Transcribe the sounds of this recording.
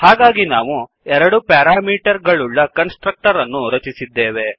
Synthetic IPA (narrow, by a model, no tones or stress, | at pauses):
haːɡaːɡinaːʋu | ɛɾɐɽupaːɾaːmiːʈɐɾɡɐɭuɭːɐkɐnsʈɾɐk̚ʈɐɾɐnːuɾɐt͡ʃisid̪ːeːʋe̞